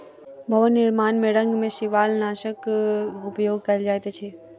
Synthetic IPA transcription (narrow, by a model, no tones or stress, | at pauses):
bʱɐʋənːɪɾmaːnmeɽə̃ŋɡmẽʃɪʋaːlnaːʃəkʊpjoːɡ̚kɐd͡ʒaːjt̪et͡ʃʰeː